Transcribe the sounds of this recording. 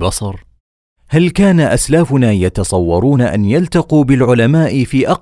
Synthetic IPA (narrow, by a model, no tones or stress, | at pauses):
bɑsˤɑɾˤ | halkaːnaʔaslaːfʊnaːjɑt̪ɑsˤɑwːɑɾˤuːnaʔa̰njalt̪ɑquːbɪlʕʊlamaːʔɪfiːʔɑ